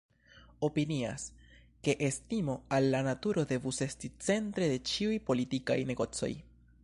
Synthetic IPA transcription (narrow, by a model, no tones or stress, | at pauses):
o̞pinia̰s | ke̞ʔestimo̞alːanatuɾo̞de̞vuse̞stit͡se̞ntɾe̞de̞t͡ʃiujpo̞litika̰jne̞ɡo̞t͡so̞̰j